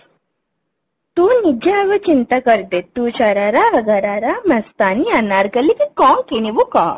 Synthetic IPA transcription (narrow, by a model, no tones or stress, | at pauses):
t̪uːnid͡ʑaʋət͡ɕint̪akəɾt̪et̪uɕaɾaɾaəɡaɾaɾaməst̪anianaɾɡəlikikɔ̃kenibukã̰